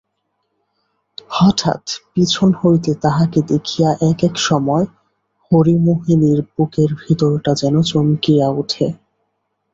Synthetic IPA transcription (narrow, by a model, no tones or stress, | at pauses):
hɔʈʰa̰t̪pit͡ɕʰonhojt̪et̪aɦaked̪ekʰijaʔɛkekʃɔmɔe | hoɾimoɦiliɾbukeɾbʱit̪oɾʈad͡ʑɛnot͡ɕomkijaoʈʰe